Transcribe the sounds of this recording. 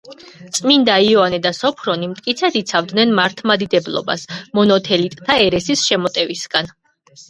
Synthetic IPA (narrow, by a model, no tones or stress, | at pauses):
t̪sʼmind̪aiɔanɛd̪asɔpʰɾɔnimt̪ʼkʼit̪sʰɛd̪it̪sʰavd̪nɛnmaɾt̪ʰmad̪id̪ɛblˠɔ̰ba̰smɔnɔt̪ʰɛlit̪ʼt̪ʰaɛɾɛsisʃɛmɔt̪ʼɛvisɡ̥an